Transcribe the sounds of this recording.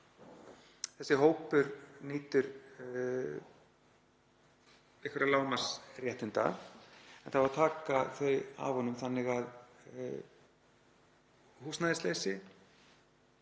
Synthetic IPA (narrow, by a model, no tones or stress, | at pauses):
θɛsːɪɦoːwpʏɾniːt̪ʏɾ | ɪhkvɛɾalaːwmasrjɛht̪ɪnt̪a̰ | ɛnθavaɾt̪ʰaːkaθœɥja̰vhɔnʏmθanːɪɣað | huːsnaðɪslejsɪ